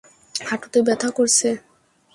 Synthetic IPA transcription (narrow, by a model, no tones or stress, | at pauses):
haʈot̪ebɛt̪ʰakoɾt͡ɕʰe